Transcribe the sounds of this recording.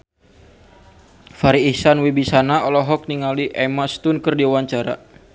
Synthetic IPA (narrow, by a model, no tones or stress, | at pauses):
faɾiːsanwibisanaɔlɔɦɔk̚niŋaliʔɛmast̪ʊnkərdiuwaɲt͡ʃaɾa̰